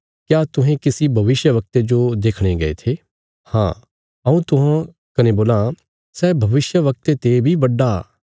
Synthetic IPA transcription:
kjaːt̪ʊ̃ɦẽkɪsibʱɐʋɪʃjəʋɐk̚t̪ed͡ʒod̪eːkʰɽ̃eɡɐḛt̪ʰeː | hã̰ː | ɐũt̪ʊɦã | kɐneboːlã | sɛːbʱɐʋɪʃjəʋɐk̚t̪et̪ebʱibɐɖːa̰ː

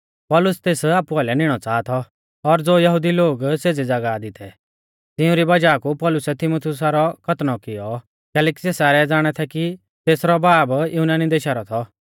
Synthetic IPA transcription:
pɔːlʊst̪eːsaːpuaːlɛnɪɽ̃ɔt͡saːt̪ʰɔ | ɔɾd͡zoːjɐɦʊd̪iloːɡseːd͡zed͡zɐɡad̪ɪt̪ɛ | t̪ɪʊ̃ɾibɐd͡ʒaːkupɔːlʊsɛt̪ʰɪmut̪ʰjʊs̬aɾɔkʰɐt̪nɔkɪjɔ | kɛːlɛːkiseːsaːɾɛd͡zaːɽ̃ɛt̪ʰɛki | t̪eːsɾɔbaːbjunaːnid̪eːʃaːɾɔt̪ʰɔ

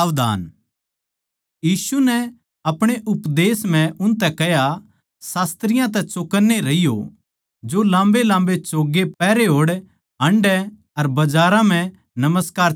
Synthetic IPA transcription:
ʋd̪a̰ːn | jiːsunɛ | ɐpɽ̃eʔʊpd̪eːsm̤ɛ̃ʔʊnt̪ɛkɛɦja | saːst̪ɾɪjãt̪̬ɛt͡ʃoːkəɾneɾɐɪjo̰ | d͡ʒolãːmbelãːmbet͡ʃoːɡepɛːɾeɦoːɽ | ɦɐ̃ɳɖɛ | ɐɾbɐd͡ʒaːɾãm̤ɛ̃ | nɐməskaːɾ

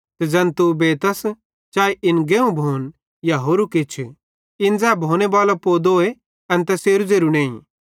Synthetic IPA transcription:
t̪ɛd͡zɐ̃nt̪ubeːt̪ɐs | t͡ʃaːeʔɪnɡeːũbʱoːn | jaɦoːɾukɪt͡ʃʰ | ɪnd͡zɛːbʱõːñebaːlapoːd̪oːe | ɐ̃nt̪ɛseːɾud͡zeːɾunẽːḭ̃

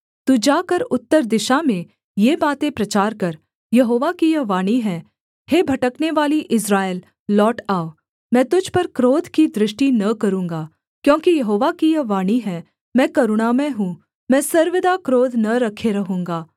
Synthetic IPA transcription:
t̪uːd͡ʒaːkəɾʊt̪ːəɾd̪ɪʃamẽ | jeːbaːt̪ẽpɾɐt͡ʃaːɾkɐɾ | jɐɦoːʋakijɐʋaːɽ̃iɦɛ̃ː | heːbʱɐʈəkneʋaːliʔɪsɾaːelː | ɔːʈaːo | mɛ̃ːt̪ʊd͡ʒʱpɐɾkɾoːd̪ʱkid̪ɾɪʃʈinɐkɐɾũːŋɡaː | kjõːkijɐɦoːʋakijɐʋaːɽ̃iɦɛ̃ː | mɛ̃ːkɐɾʊɽ̃aːmẽɦũ | mɛ̃ːsɐɾʋɪd̪akɾoːd̪ʱnɐɾɐkʰeɾɐɦũːŋɡaː

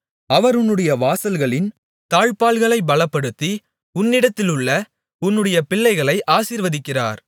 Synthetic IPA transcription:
ɐʋɐɾʊnːɯɽɐjɐʋaːsɐlɣɐɭɪn | t̪aːɻpaːɭɣɐɭɐɪbɐɭɐpːɐɽɯt̪ːi | ʊnːɪɽɐt̪ːɪlɯɭːɐ | ʊnːɯɽɐjɐpɪɭːɐɪɣɐɭɐɪʔaːsiːɾʋɐðɪkːɪra̰ːɾ

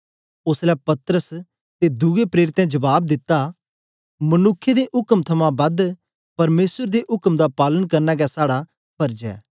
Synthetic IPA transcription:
ʊslɛpɐt̪ɾəs | t̪ed̪ʊɡepɾeːɾɪt̪ɛ̃d͡ʒɐbaːb̚d̪ɪt̪ːa | mɐnʊkʰːed̪eʔʊkəmt̪ʰɐmãbɐd̪ | pɐɾmeːsəɾd̪eʔʊkəmd̪apaːlənkɐɾnaɡɛsaːɽa | pʰɐɾd͡ʒɛ̰ː

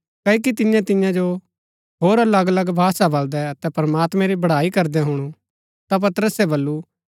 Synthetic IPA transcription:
kɐik̬it̪ɪjãt̪ɪjãd͡ʒo | ɦoːɾɐləɡələɡbʱaːsabɐld̪ɛɐt̪ɛpɾɐmaːt̪mɛ̃ɾibɐɽ̤aːikɐɾd̪ɛɦʊɽ̃u | t̪ap̬ɐt̪əɾəsɛbɐlːu

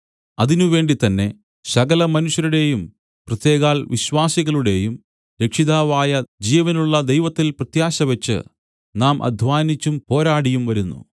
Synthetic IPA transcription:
ɐðinuʋe̞ːɳɖit̪ɐnːe̞ | sɐɣɐlɐmɐnuɕjɐɾuɽe̞jum | prɐt̪je̞ːɣaːlʋiɕʋaːsiɣɐɭuɽe̞ːjum | ɾe̞kʂiðaːʋaːjɐd͡ʑiːʋɐnuɭːɐd̪e̞jʋɐt̪ːilprɐt̪jaːɕɐʋɐt͡ɕːɨ̰ | naːmʔɐ̰d̪ʱʋaːnit͡ɕːumpo̞ːɾaːɽijumʋɐɾunːṵ

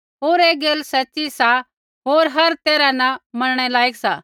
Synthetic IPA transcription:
ɦoːɾeːɡeːlsɐt͡ʃːisa | ɦoːɾɦɐɾt̪eːɾanɐmɐɾɽ̃ɛlaːiksaː

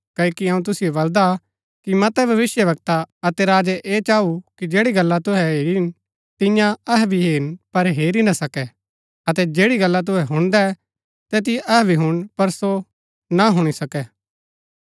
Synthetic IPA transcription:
kɐkiɐũt̪ʊsijobɐld̪a | kimɐt̪ɛbʱɐʋɪsjəʋɐk̚t̪aɐt̪ɛɾaːd͡ʒɛʔeːt͡ʃaːukid͡ʒeːɽiɡɐlːat̪ʊɦɛɦeːɾin | t̪ɪ̃jãɐɦbʱiɦeːnpɐɾɦeːɾinasɐkɛ | ɐt̪ɛd͡ʒeːɽiɡɐlːat̪̬ʊɦɛɦʊ̃ɽ̃d̪ɛ | t̪ɛt̪̬ɪʔɐɦɛbʱiɦʊɽ̃pɐɾso | naɦʊɽ̃isɐkɛː

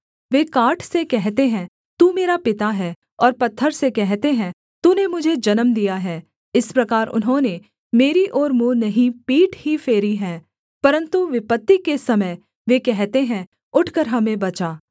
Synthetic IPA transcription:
ʋeːkaːʈʰsekɛɦt̪eɦɛ̃ | t̪umeːɾapɪt̪aɦɛː | ɔːɾpɐt̪ʰːəɾsekɛɦt̪eɦɛ̃ | t̪unemʊd͡ʒʱed͡ʒɐnəmd̪ijaɦɛː | ɪspɾɐkaːɾʊ̰nɦõne | meːɾiʔɔːɾmuːnɐɦĩpiːʈhifeːɾiɦɛː | pɐɾə̃nt̪uʋɪpət̪ːikesɐməj | ʋeːkɛɦt̪eɦɛ̃ | ʊʈʰkəɾɦɐmẽbɐt͡ʃaː

